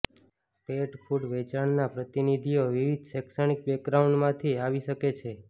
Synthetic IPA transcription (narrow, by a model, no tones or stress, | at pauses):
peʈfʰuɖʋɛt͡ʃaɳnapɾət̪inid̪ʱioʋiʋid̪ʱsɛksəɽik̚bɛkɾauɳɖmãt̪ʰiaʋiʃəket͡ʃʰe